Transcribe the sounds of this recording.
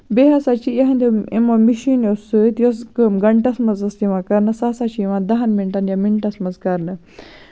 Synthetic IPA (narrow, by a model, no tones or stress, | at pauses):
beɦɐsat͡ʃijɐɦɐ̃nd̪eimomiʃinjosɨt̪joskɨmɡɐɳʈɐsmɐzɐst̪iʋãkɐɾnɨsaːsat͡ʃiʋãnd̪ɐɦɐnmiɳʈanjamiɳʈɐsmɐzkɐɾnɨ